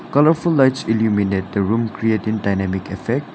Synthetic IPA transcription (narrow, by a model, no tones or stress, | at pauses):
kʌləɹfulːaɪtsiljuminet̚d̪əɹũmkɾietĩŋdaɪnæmɪkɛfɛk̚ʈ